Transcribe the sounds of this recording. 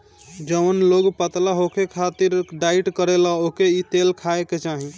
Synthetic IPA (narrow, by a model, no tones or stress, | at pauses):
d͡ʒəʋənloɡpət̪laɦokekʰat̪iɾɖaiʈkəɾelaokeit̪elkʰaeket͡ʃaɦi